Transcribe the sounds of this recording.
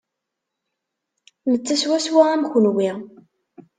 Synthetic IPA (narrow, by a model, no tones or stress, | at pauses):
nət͡sːæswæswaʁamxʊnwi